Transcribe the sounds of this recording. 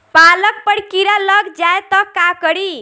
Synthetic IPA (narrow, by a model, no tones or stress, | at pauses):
palək̚pəɽkiɾaləɡd͡ʒaet̪ɔkakəɽi